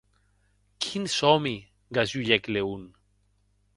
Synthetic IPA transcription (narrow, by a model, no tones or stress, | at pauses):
kʰinsomi | ɡazuʎekleun